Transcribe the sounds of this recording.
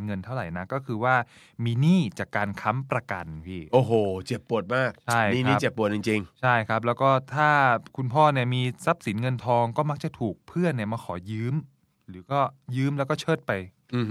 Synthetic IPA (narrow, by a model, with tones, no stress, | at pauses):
ŋɤ˧nt̪ʰa˥˩wɾa˨˩jna˦˥kɔː˥˩kʰɯː˧waː˥˩ | miː˧niː˥˩t͡ɕaː˨˩kːaː˧nkʰa˦˥mpɾa˧ka˧npʰiː˥˩ʔoː˨˧˩ɦoː˨˩t͡ɕe˨˩pːu˨˩ət̪̚maː˥˩k̚t͡ɕʰa˥˩jniː˥˩˨iː˦˥˦pt͡ɕe˨˩pːu˨˩ət̪̚t͡ɕi˨˧ŋt͡ɕi˧ŋt͡ɕʰa˥˩jkʰa˦˥p̚lɛː˦˥wkɔː˥˩t̪ʰaː˥˩kʰu˧npʰɔː˥˩ni˥˩əmiː˧sa˦˥p̚si˩˦nŋɤ˧nt̪ʰɔː˧ŋkɔː˥˩ma˦˥k̚t͡ɕa˨˩t̪ʰuː˨˩k̚pʰɯ˥˩ənːi˥˩ɐmaː˧kʰɔː˩˦jɯː˦˥m | ɾɯː˩˦kɔː˥˩jɯː˦˥mlɛ˦˥kɔː˥˩t͡ɕʰɤː˥˩t̪̚pa˧j